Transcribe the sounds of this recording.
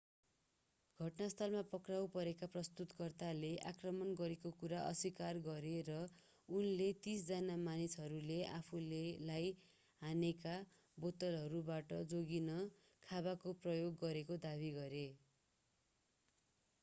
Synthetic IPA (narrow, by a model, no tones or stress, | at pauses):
ɡʱʌʈnast̪ʰʌlmapʌkrawpʌɾekaprʌst̪ut̪kʌrt̪aleʔakrʌmʌnɡʌɾekokuɾaʔʌ̰sikarɡʌɾerʌ | unlet̪isd͡zʌnamanisɦʌɾuleʔa̰pʰulelaj | ɦaneka | bot̪ʌlɦʌɾubaʈʌd͡zoɡinʌ | kʰaβakoprʌjoɡːʌɾekod̪aβiɡʌɾe